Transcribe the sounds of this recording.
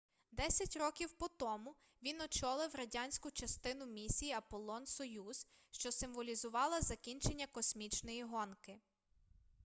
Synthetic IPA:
d̪ɛsʲɐtʲrɔkʲiwpɔt̪ɔmʊ | ʋʲinɔt͡ʃɔlˠɪwɾɐdʲanʲsʲkʊt͡ʃɐst̪ɪnʊmʲisʲijiɐpɔlˠɔnsɔjuz̥ | ʃt͡ʃɔsɪmʋɔlʲizʊʋɑlˠɐzɐkʲinʲt͡ʃe̞nʲːɐkɔsʲmʲit͡ʃnɔjiɦɔnkɪ

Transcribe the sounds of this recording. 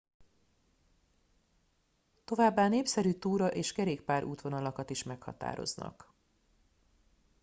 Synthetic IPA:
t̪o̞vaːbːaːneːpsɛɾyːt̪uːɾɒʔeːʃkɛɾeːkpaːɾʔuːt̪ʋo̞nɒlɒkɒt̪iʃmɛkhɒ̰t̪a̰ːɾo̞̰znɒ̰k

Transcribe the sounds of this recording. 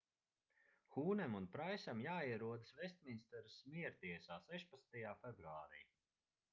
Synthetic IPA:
xuːnɛmunpɾajsamjaːiɛɾuɔd̪svɛsʲt̪̚ʲminist̪ɛɾusmiɛɾt̪iɛsaːsɛʃpat̪snt̪ajaːfɛbɾuaːɾḭː

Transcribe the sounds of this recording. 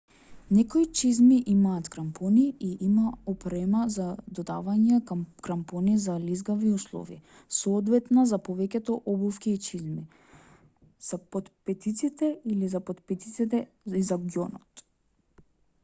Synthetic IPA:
nɛkoit͡ʃizmiʔimaːt̪kɾampʰɔniiʔimaɔpɾɛmazad̪ɔd̪avaɲɛkɾampɔnizalizɡaviuslˠɔ̰vḭ | sɔːd̪vɛt̪nazapɔvɛcɛt̪ɔʔɔbufkʲiːt͡ʃizmi | z̥apɔt̪pɛt̪it̪sit̪ɛilizapɔt̪pɛt̪it̪it̪ɛ | izaɡjɔnɔt̪

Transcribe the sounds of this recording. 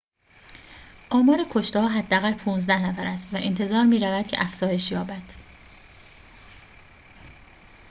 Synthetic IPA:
ʔɒːmɒːɾekʰo̞ʃt̪ehɒːɦæd̪ːææɣælpʰuːnzd̪æhnæfæɾæst̪væʔent̪ʰe̞zɒːɾmiːɾævæd̪̚cʰeʔæfz̥ɒːje̞ʃjɒːbæd̪̥

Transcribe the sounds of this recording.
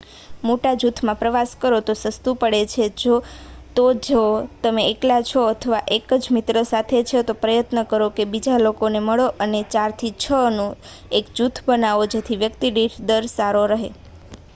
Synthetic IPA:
moʈad͡ʒut̪ʰmãpɾəʋaskəɾot̪osəst̪upəɽet͡ʃʰed͡ʒot̪od͡ʒeot̪əmeːklat͡ʃʰoət̪ʰəʋaʔekəd͡ʒmit̪ɾəsat̪ʰet͡ʃʰet̪opɾəjət̪nəkəɾokebid͡ʒalokoneməɭoʔənet͡ʃaɾt̪ʰit͡ʃʰənũ | ekd͡ʒut̪ʰbənaʋod͡ʒet̪ʰiʋjəkt̪iɖiʈʰd̪əɾsaɾoɾəɦe

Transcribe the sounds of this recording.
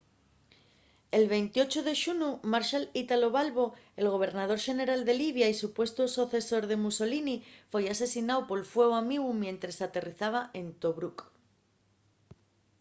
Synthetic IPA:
e̞lβe̞jnt̪io̞t͡ʃoðe̞ʃunumaɾʃalit̪alo̞βalβo̞e̞lɣ̞o̞β̞e̞ɾnað̞o̞ɾʃe̞ne̞ɾald̪e̞liβ̞jaisupwe̞st̪osoθe̞so̞ɾðe̞muso̞linifwejase̞sinawpo̞lfwe̞wamiɣumje̞nt̪ɾe̞sat̪e̞riθaβ̞aʔe̞nt̪o̞βɾuk

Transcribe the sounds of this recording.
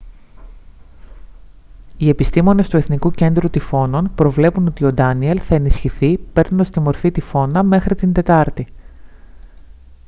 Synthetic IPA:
ie̞pist̪imo̞ne̞st̪ue̞θnikuce̞nd̪ɾut̪ifo̞no̞npɾo̞vle̞puno̞t̪io̞d̪ɐnie̞lθɐe̞nisçiθipe̞ɾnunɐst̪imo̞ɾfit̪ifo̞nɐme̞xɾit̪ind̪e̞t̪ɐɾt̪i

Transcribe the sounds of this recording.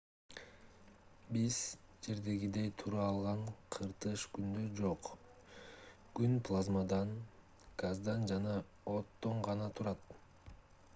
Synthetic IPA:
biz̥d͡ʒe̞ɾd̪e̞ɡid̪e̞jt̪ʰuɾɑːlˠʁɑɴqʰɯɾt̪ɯʃkynd̪ød͡ʒo̞q | ɡ̥ynpʰlˠazmad̪ɑn | ɡ̥azd̪ɑnd͡ʒɑnɑ | ot̪ːo̞ɴʁɑnɑt̪ʰuɾɑt̪

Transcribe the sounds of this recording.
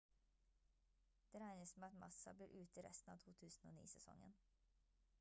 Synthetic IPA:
d̪̥eːɾæɪnəsmeːɑt̪mɑsɑbliːɾʔʉːt̪əɾɛ̰st̪n̩ɑ̰ːt̪ʰuːt̪ʰʉːsn̩oːnḭːsɛsɔ̰ŋːə̰n

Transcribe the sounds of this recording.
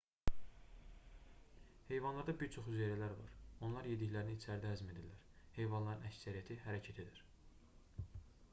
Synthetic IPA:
he̞jvɑnlˠɑɾd̪ɑbiɾt͡ʃʰo̞χyzeɾælæɾvɑ̰ɾo̞nlˠɑɾje̞d̪içlæɾiniit͡ʃʰæɾd̪æɦæzme̞d̪ilːæɾ | he̞jvɑnlˠɑɾɯnæcsæɾijæt̪ʰiɦæɾæcʰæt̪ʰe̞d̪iɾ̥

